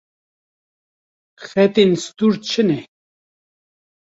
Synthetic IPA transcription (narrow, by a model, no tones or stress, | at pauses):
xɛt̪inst̪uɾt͡ʃʰənɛ